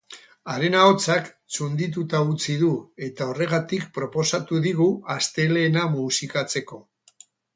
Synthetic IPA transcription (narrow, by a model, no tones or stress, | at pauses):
aɾe̞nao̞t͡sak | t͡sund̪it̪̬ut̪aut͡siðue̞t̪ao̞re̞ɣ̞at̪ikpɾo̞po̞sat̪uðiɣ̞uast̪e̞leːnamusikat͡se̞ko̞